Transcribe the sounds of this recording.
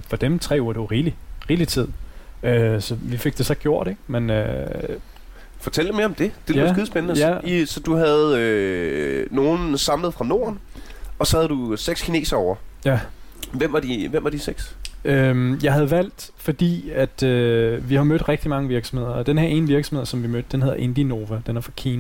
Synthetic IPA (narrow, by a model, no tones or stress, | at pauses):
fɒ̽d̥emt͡sʰʁɛ̰ːuɐ̰ɾ̥e̝ʁiːliʁiːlit͡sʰið̰ˠøsɒ̽ʋife̝ɡ̥̚d̥e̝sɒ̽ɡ̥jo̝ɐ̰d̥e̝ɡ̥menø̰ | fɒ̽t͡sʰel̰d̥eme̝ɐɒmd̥e̝d̥elsɡiːðˠsb̥ennəjæisɒ̽d̥uhæðˠø | no̝ːnsɑ̈mləð̩ˠfʁɑ̈no̝̰ːɐn | ɒ̽sɒ̽hæð̞̩ˠd̥useɡ̥skʰine̝̰ːsɐɒʊ̰ɐjæʋem̰ʋɑ̈d̥iʋem̰ʋɑ̈d̥iseɡ̥sømjɑ̈ɪhæð̞̩ˠʋæl̰d̥ | fɒ̽d̥ḭːæd̥øʋihɑ̈mød̥ʁɛɡ̥̚d̥imɑ̈ŋəʋiɐɡ̥sɒ̽m̩he̝ð̞̰ˠɐd̥enheɐe̝nʋiɐɡ̥sɒ̽mheð̰ˠsɒ̽mʋimød̥̚ːenɦe̝ð̞̰ˠɐʔe̝nd̥ino̝ːʋæd̥enæɐfʁɑ̈kʰiːn